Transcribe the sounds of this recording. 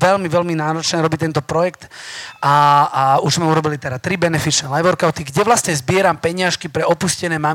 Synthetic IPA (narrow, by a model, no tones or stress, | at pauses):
ʋɛʎmiʋɛlminaːɾɔt͡ʃnɛːɾɔbit̪ɛnt̪ɔpɾɔjɛkt̪a | uʒzmɛuɾɔbilit̪ɛɾat̪ɾibɛnɛfit͡ʃnɛːlajbɔɾkaʊt̪iɡɟɛʋlasɲɛzbɪɛɾampɛɲɪaʃkipɾɛɔpuscɛnɛːma